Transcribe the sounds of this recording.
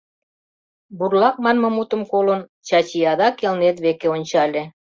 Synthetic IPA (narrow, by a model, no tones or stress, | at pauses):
burlˠɑk̚mɑnmɤ̆mut̪ə̆mkolɤ̆nt͡ɕɑt͡ɕijɑd̪ɑkelnet̪βekeonʲt͡ɕɑlʲe